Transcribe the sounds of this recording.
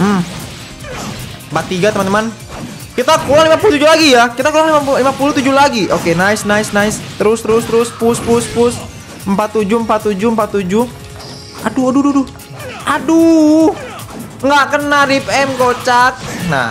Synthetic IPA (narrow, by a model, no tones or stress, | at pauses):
m̩ | bat̪ːiɡat̪əmant̪əman | kit̪akulaŋlimapulut̪ud͡ʒulaɡijakit̪akulaŋlimapulimapulut̪ud͡ʒulaɡiʔokenaɪsnaɪsnaɪst̪əɾʊst̪əɾʊst̪əɾʊspuspʊspʊs | əmpat̪ːud͡ʒuəmpat̪ːud͡ʒuəmpat̪ːud͡ʒuh | a̰duadududu | ʔadu | ŋɡaʔkənaɾipɛmkot͡ʃak̚na̰